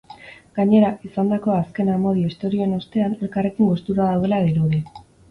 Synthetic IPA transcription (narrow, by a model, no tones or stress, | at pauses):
ɡ̥aɲe̞ɾaʔisand̪ako̞aske̞namo̞ð̞ioist̪o̞ɾio̞eno̞st̪e̞ane̞lkare̞kiŋɡo̞st̪uɾaðawðe̞laɣiɾuðe